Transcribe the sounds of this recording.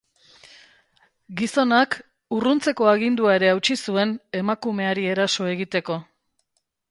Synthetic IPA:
ɡiso̞nak | urunt͡se̞ko̞aɣind̪uae̞ɾe̞awt͡ʃisue̞ne̞makume̞aɾie̞ɾaso̞e̞ɣit̪e̞ko̞

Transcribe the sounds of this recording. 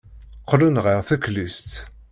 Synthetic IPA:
qʰːlunʁiʁθæklist̪

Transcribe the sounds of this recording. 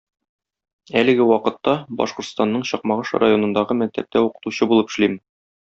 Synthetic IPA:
ælɘ̆ɡɘwɒqɤ̆t̪ːɑbɒ̰ʃqŏɾt̪st̪ɑnːɤɴɕɒq̚mɑʁɤʃra̰jo̞nɤ̆nd̪ɑʁɤmæk̚t̪æ̰p̚t̪ʰæuqɤ̥̆t̪uɕɤbulˠɤpɘ̥̆ʃlim

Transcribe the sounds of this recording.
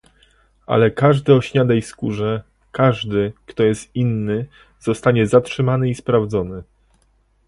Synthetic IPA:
a̰lɛkaʐd̪ɘɔɕɲad̪aiskuʐɛ | kaʐd̪ɘkt̪ɔjɛst̪̚inːɘ | z̥ɔst̪aɲɛzatʂɘmanɘispɾavd̪zɔnɘ

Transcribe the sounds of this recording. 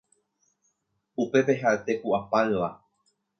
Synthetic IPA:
upe̞pe̞ɦaet̪e̞kuʔapaɨʋa

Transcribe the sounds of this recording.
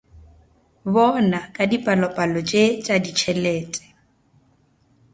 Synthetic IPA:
βɔnakʼadipʼalɔpʼalɔt͡ʃʼet͡ʃʼadit͡ʃʰɛleːtʼɛ̥

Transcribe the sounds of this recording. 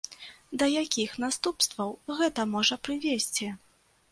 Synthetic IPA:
d̪ɐjakʲixn̪ast̪upst̪vɐwɣɛt̪ɐmɔʐɐpɾɨvʲesʲt͡sʲi

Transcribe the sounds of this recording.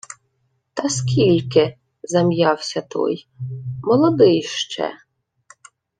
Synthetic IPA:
t̪ɐskʲilʲkɪ | zɐmjɑwsʲɐt̪ɔ̰j | mɔlˠɔd̪ɪjʃt͡ʃɛ̰

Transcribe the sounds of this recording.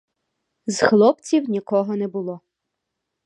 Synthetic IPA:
zxlˠɔpt͡sʲiwnʲikɔɦɔnɛbʊlˠɔ

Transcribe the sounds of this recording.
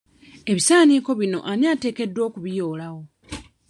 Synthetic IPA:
e̞βisaːniːko̞βino̞̰ʔaniate̞ːke̞dːwo̞ːkuβijo̞ːlawo̞

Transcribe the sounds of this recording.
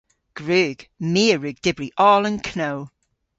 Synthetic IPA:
ɡ̥ɹʉːɡ̥miəɹʉːɡ̚d̥ɪbɹiʔɔːlˠə̃nkʰnoʊ

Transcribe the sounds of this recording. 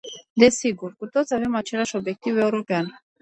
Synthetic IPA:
d̪e̞siɡurkut̪ot̪sʲave̞mat͡ʃe̞lʲaʃo̞bje̞k̚t̪ive̞uɾo̞pean

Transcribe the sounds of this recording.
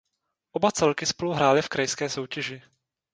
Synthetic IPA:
ʔobat͡sɛlkɪspoluɦɾaːlɪfkɾajskɛːsowcɛʒɪ

